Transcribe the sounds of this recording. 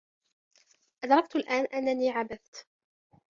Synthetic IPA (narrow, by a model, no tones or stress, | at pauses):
ʔad̪ɾˤɑk̚t̪alʔaːnʔanːaniːʕabaθt̪